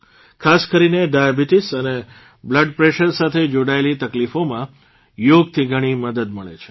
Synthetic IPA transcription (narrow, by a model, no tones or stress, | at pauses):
kʰaskəɾineɖajabiʈisəne | bləɖpɾeʃəɾsat̪ʰed͡ʒoɽaelit̪əklifomã | joɡ̚t̪ʰiɡʱəɽ̃iməd̪əd̪məɭḛt͡ʃʰe̥